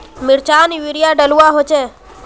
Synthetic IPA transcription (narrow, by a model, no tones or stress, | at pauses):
mɪɾt͡ʃaniʋiɾijaɖəluaɦot͡ʃʰe